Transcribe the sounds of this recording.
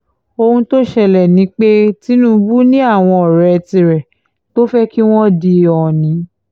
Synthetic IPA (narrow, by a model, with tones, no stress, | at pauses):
o˧hũ˧to˦ʃɛ˧˨lɛ˨nĩ˨˦k͡pe˦ti˨˦nũ˦bu˦nĩ˦a˦˨w̃ɔ̃˧ɔ˨ɾɛ˧tĩ˧ɾɛ˨ | to˦fɛ˦ki˦w̃ɔ̃˦di˧ɔ˨nĩ˨˦